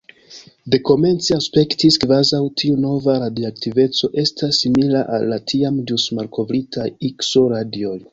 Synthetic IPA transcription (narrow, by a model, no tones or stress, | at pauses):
de̞ko̞me̞nt͡siaspe̞ktiskvazawtʰiuno̞vaɾadioaktive̞t͡so̞ʔe̞stʰasːimilaʔa̰lːatʰiamd͡ʒusmalkʰo̞vɾitajikso̞ɾadio̞j